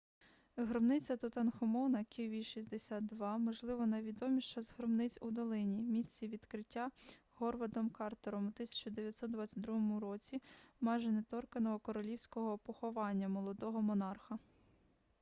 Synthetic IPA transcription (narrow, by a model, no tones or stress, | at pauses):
ɦɾɔbnɪt͡sʲɐt̪ɔt̪ɐnxɔmɔwnɐkʲiʋʲiʃizʲd̪esʲad̪d̪ʋɑmɔʒlˠɪʋɔnɐʋʲid̪ɔmʲiʃt͡ʃɔzɦɾɔbnɪt͡sʲud̪ɔlˠɪnʲimʲisʲt͡sʲiʋʲid̪kɾɪtʲːa | ɦɔrʋɐd̪ɔmkɑrt̪ɔɾɔmut̪ɪsʲɐ̥t͡ʃɔd̪eʋʲjɐt̪sɔt̪̚d̪ʋɑat̪ʲt͡sʲːɐt̪ʲd̪ɾuɦɔmuɾɔt͡sʲimɑjʒɛnet̪ɔrkɐnɔɦɔkɔɾɔlʲiwsʲkɔɦɔpɔxɔʋɑnʲːɐmɔlˠɔd̪ɔɦɔmɔnɑrxɐ